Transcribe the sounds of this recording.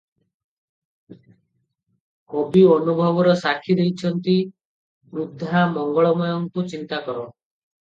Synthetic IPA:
kɔbiɔnubʱɔbɔɾɔsakʰid̪ejt͡ʃʰɔnt̪i | ɾud̪ʱːamɔŋɡɔɭɔmɔjɔŋkut͡ʃint̪akɔɾɔ

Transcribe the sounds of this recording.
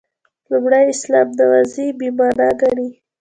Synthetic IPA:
lumɽajɪslɑmd̪əwazibimɑɾɑɡaɽi

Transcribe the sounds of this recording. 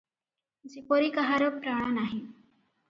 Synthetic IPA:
d͡zekoɾiːkaɦaɾjopɾaɽ̃anaɦi

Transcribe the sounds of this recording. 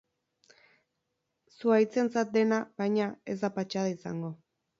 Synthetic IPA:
suajt͡se̞nt͡sat̪̚d̪e̞naβajɲae̞zd̪apat͡ʃað̞aisa̰ŋɡo̞

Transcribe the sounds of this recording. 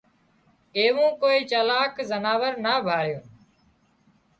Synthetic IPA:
eːʋũːkoːiːt͡ʃəlaːkzənaːʋəɾnaːbʱaːɽjõː

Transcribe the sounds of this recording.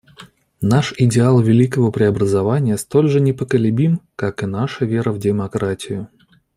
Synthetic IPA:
naʂɪdʲɪalˠvʲɪlʲikəvəpɾʲɪɐbɾəzɐvanʲɪjəst̪o̞lʲʐɨnʲɪpəkəlʲɪbʲimkakɨnaʂəvʲe̞ɾəvdʲɪmɐkɾatʲɪjʊ

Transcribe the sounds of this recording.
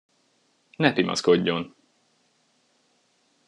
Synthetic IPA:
nɛpimɒ̰skoɟːo̞n

